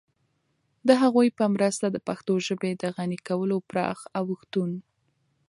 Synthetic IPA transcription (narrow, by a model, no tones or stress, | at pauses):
d̪əɦaɣujpəmɾəst̪ad̪əpaxt̪oʒəbed̪əɣanikawəlopɾɑ̰xawəxt̪un